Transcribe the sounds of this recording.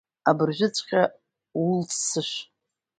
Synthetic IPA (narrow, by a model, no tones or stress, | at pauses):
abɨrʒᶣʷɪt͡sʷʰʼqʲʼa | ʊltʰsɨʃ